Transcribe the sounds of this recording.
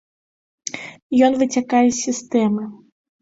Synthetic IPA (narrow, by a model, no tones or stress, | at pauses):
jɔnvɨt͡sʲakajɛsʲist̪ɛmɨ